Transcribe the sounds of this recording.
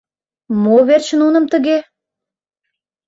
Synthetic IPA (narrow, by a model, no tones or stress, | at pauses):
moβert͡ɕə̆nunə̆mt̪ə̆ɣe